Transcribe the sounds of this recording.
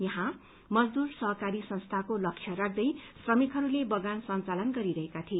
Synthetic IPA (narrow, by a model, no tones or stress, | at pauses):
jʌɦã | mʌd͡zd̪ursʌɦʌkaɾisʌnst̪ʰakolʌkʂʰjʌɾak̚ʰd̪ʌjsrʌmikɦʌɾulebʌɡansʌnt͡salʌnɡʌɾiɾʌɦekat̪ʰi